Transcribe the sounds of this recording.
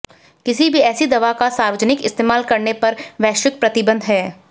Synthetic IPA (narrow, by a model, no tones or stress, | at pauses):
kɪsibʱiɛːsid̪ɐʋakasaːɾʋəd͡ʒnɪkɪ̰st̪eːmaːlkɐɾnepɐɾʋɛːʃɪk̚pɾɐt̪ɪbə̃nd̪ʱɦɛː